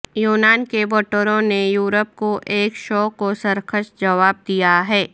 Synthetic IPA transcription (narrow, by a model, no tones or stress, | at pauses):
juːnaːnkeboːʈəɾõnejuːɾəp̚koʔeːkʃɔːkosɐɾkəʃd͡ʒɐʋaːb̚d̪ijaɦɛː